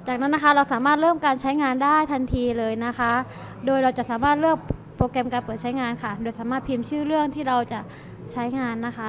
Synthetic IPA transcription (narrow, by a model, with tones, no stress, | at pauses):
t͡ɕaː˨˩k̚na˦˥nːa˦˥kʰa˦˥˩ɾa˧wsaː˩˦maː˥˩t̪̚ɾɤː˥˩mkaː˧nt͡ɕʰa˦˥jŋaː˧ndaː˥˩jt̪ʰa˧nt̪ʰiː˧lɤː˧jna˦˥kʰa˦˥ | doː˧jɾa˧wt͡ɕa˨˩saː˩˦maː˥˩t̪̚lɯ˥˩ək̚pɾoː˧kɛ˧mkaː˧npɤː˨˩t̪̚t͡ɕʰa˦˥jŋaː˧nkʰa˥˩doː˧jsaː˩˦maː˥˩pʰi˧mt͡ɕʰɯː˥˩ɾɯ˥˩əŋt̪ʰiː˥˩ɾa˧wt͡ɕa˨˩ʔ | t͡ɕʰa˦˥jŋaː˧nːa˦˥kʰa˦˥